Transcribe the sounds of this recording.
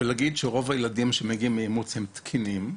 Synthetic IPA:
velaɡidʃeʁo̞vajeladimʃemeɡimejemut͡shemt̪kʰinim

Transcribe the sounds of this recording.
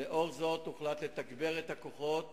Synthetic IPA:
eʔo̞ʁzo̞t̪uχlat̪le̞t̪aɡbe̞ʁet̪ako̞χo̞t̪

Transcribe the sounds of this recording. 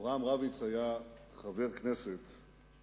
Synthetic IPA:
ʁamʁavit͡shaja | χave̞ʁkneset̪

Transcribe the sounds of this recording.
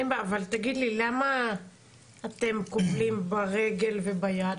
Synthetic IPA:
embaavalt̪aɡid̪lilamaː | t̪e̞mkuflimbaʁe̞ɡe̞lve̞bajad̪

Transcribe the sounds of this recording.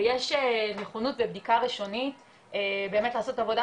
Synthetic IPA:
jeʃeneχonutvebdikaʁiʃo̞nit | ebeːmetlaːso̞tavo̞da

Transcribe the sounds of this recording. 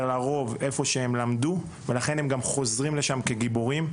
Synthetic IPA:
laʁo̞ve̞fo̞ʃeemlamdu | velaχe̞nemɡamχo̞zʁimle̞ʃamke̞ɡiboʁim

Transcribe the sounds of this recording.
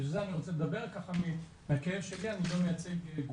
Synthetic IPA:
ʃezeaniʁot͡seledabe̞ʁkaχami | meakajevʃelianilomejat͡seɡɡ

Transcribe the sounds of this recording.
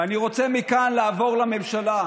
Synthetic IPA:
aniʁo̞t͡semikanlaːvo̞ʁlame̞mʃala

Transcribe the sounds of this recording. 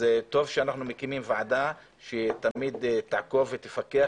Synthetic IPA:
zet̪o̞vʃeanaχnumekimimvaʕada | ʃet̪amid̪t̪aʕko̞vːet̪efakea

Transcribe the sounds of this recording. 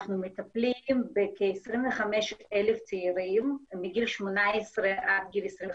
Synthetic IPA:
χnumɪtaplimbɪkʰɪsɾɪmvəχamɛʃɛlɪft͡siiɾiːmɪmɪɡilʃmunaɛsɾəʔatɡilɛsɾɪ

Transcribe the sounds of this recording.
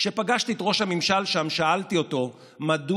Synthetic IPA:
ʃe̞paɡaʃtietʁo̞ʃhamimʃalʃamʃaʔaltio̞to̞ | madu

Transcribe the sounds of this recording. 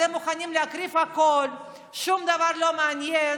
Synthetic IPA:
emuχanimleakʁifhakol | ʃumd̪avaʁlo̞meanjen

